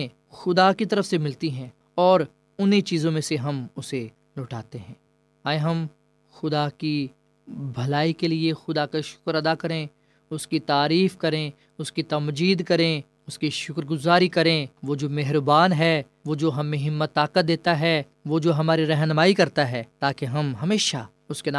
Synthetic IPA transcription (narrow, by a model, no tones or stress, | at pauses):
ẽ | xʊd̪akit̪ɐɾəfsemɪlt̪iɦɛ̃ː | ɔːɾ | ʊnɦet͡ʃiːzõmẽseɦɐmʊse | loːʈaːt̪eɦɛ̃ː | aːjɦɐm | xʊd̪aki | bʱɐlaːikeliexʊd̪akaʃʊ̥kɾɐd̪akɐɾẽ | ʊskit̪aːɾiːfkɐɾẽ | ʊskit̪ɐmd͡ʒiːd̪kɐɾẽ | ʊskiʃʊkɾɡʊzaːɾikɐɾẽʋoːd͡ʒoːmɛɦɾbaːnɦɛ | ʋoːd͡ʒoːɦɐmːẽɦɪmːət̪ːaːqət̪̚d̪eːt̪aɦɛ | ʋoːd͡ʒoːɦɐmaːɾiɾɐɦnmaːikɐɾt̪aɦɛːt̪aːkeɦɐmɦɐmeːʃa | ʊsken